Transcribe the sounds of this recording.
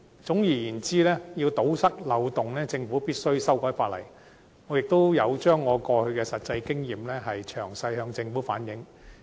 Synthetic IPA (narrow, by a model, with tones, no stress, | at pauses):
t͡sʊ˨˥ŋjiː˨˩jiː˨˩nt͡siː˥lɛː˥jiː˧wt̪o˨˥wsɐ˥k̚lɐ˨˧wt̪ʊ˨ŋlɛː˥t͡sɪ˧ŋfu˨˥piː˥t̚sɵ˥ɥsɐ˥wkɔː˨˥jfaː˧t̚lɐ̰˨˩j | ŋɔː˨˧jɪ˨k̚t̪o˥wjɐ˨˧wt͡ʃœː˥ŋːɔː˨˧kɔː˧hɵ˧ɥkɛː˧sɐ˨t̚t͡sɐ˧jkɪ˥ŋjiː˨mlɛː˥ɦɐ˨jt͡ʃʰœː˨˩ŋsɐ˧jhœː˧ŋt͡sɪ˧ŋfuː˨˥faː˨˥njɪ˨˥ŋ